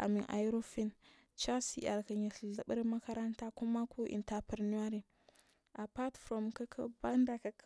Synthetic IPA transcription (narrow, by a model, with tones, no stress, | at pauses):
ʔa̰˨mi˨nʔa̰˨˦ɾo˦fi˦n | t͡ʃa˦sḭ˨a˨lkə˨ɲi˨ɬɮa˨ɓə˦ɾma˦ka˦ɾa˦nta˦ku˦ma˦ku˦ʔḭ˨nta˨pə˨ɾni˦a˦ɾi˨ | ʔa˨pa˦tfɾo˨mka˦kʰa˦ba˦nda˨ka˨˦